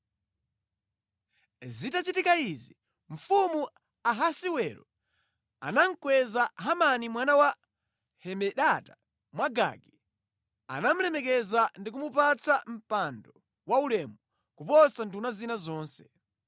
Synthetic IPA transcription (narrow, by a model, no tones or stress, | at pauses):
zitat͡ʃitikaizi | ɱ̩fumu | aɦasiwɛɾɔ̰ | a̰naŋ̩kwɛzaɦamanimwanawa | hɛmɛɗata | mwaɡa̰ɡɛ | a̰nam̩lɛmɛkɛzandikumupat͡sam̩pandɔ | waulɛmu | kupɔsandunazinazɔːnsɛ